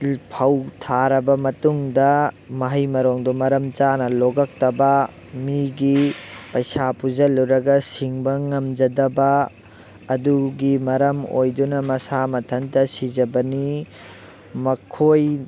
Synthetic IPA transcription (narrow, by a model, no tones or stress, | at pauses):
lpʰɐwtʰaɾɐbɐmɐtuŋdɐ | mɐɦɐjmɐɾoŋdumɐɾɐmt͡ʃanɐloɡɐk̚tɐbɐ | miɡipɐjsapud͡ʒɐlːuɾɐɡɐsiŋbɐŋɐmd͡ʒɐdɐbɐː | duɡimɐɾɐmojdunɐmɐsamɐtʰɐntɐsid͡ʒɐbɐni | mɐkʰoj